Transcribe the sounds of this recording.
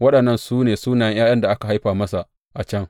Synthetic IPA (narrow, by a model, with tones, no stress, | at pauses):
wɐ˦ɗɐ˨nːɐ˦˨nsuː˦neː˨suː˦naː˨jɐ˦jaː˦jɐ˦nda˨ʔa˦ka˨ɦa˦jɸaː˨mɐ˦sa˨ | ʔa˨t͡ʃɐ˦ŋ